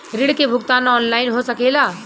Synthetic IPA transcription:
ɾiɽkebʱukt̪anɔnlainɦosəkɛla

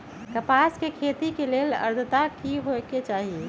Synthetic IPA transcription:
kəpaskekʰet̪ikeleːlə̰ɾd̪ʱət̪akiɦoeket͡ʃaːɦie

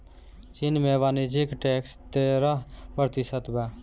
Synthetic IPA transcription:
t͡ʃinmebaːnid͡ʒikʈekst̪eɾəɦpɾət̪isət̪bɛ

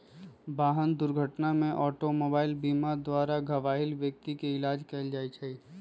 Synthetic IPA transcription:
baːɦənd̪ʊɾɡʱəʈnamẽʔɔːʈomoːbaːɪlbiːmad̪waːɾaɡʱɐʋaːɦɪlʋjək̚t̪ikeɪlaːd͡ʒkeɪld͡ʒaːit͡ʃʰɛi

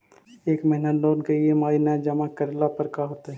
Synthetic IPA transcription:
eːkmɐɦɪnəloːnkeliemaːinad͡ʒɐmakɐɾlapəɾkaɦoːt̪aɦɛ

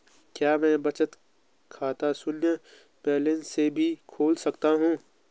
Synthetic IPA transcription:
kjaːmɛ̃bɐt͡ʃət̪ | kʰaːt̪asʊnjə | pɛːlɪ̃nsebʱikʰoːlsɐkt̪aɦũː

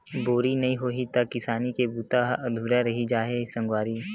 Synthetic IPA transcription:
boːɾinɐɦĩɦoːɦit̪ɐkɪsaːnikebuːt̪aɦɐd̪ʱuːɾaɾɐɦid͡ʒaːɦesɐ̃ŋɡwaːɾi

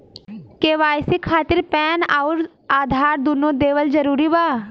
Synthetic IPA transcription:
keːʋaːjsikʰaːt̪ɪɾpɛːnaʊɾ | aːd̪ʱaːɾd̪unod̪eːʋəld͡ʒɐɾuːɾibaː

